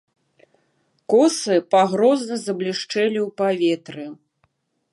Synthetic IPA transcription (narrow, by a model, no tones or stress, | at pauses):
kɔsɨpaɣɾɔznɐzɐblʲiʂt͡ʂɛlʲiwpavʲet̪ɾɨ